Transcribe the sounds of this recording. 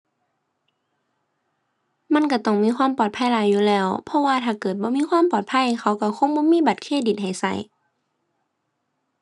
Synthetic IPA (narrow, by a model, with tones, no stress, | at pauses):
ma˧˥˨nka˧˩t̪ɔ˧˩ŋmiː˧˥˨xʰwaː˧˥˨mpɔː˨˩t̪̚pʰa˧˥˨jlaː˧˦jːuː˧˨lɛː˧˩˨wpʰɔ˧˨waː˧˨t̪ʰaː˧˩kɤː˨˩t̪̚bɔː˧˦miː˧˥˨xwaː˧˥˨mpɔː˨˩t̪̚pʰa˧˥˨jkʰa˧˩wka˧˩kʰo˧˥˨ŋbɔː˧˥˨miː˧˥˨ba˨˩t̪̚kʰeː˧˨di˨˩t̪̚ha˨˩jsa̰˧˩j